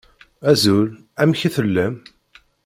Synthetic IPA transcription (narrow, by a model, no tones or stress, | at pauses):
æzul | æmçiθəlːæm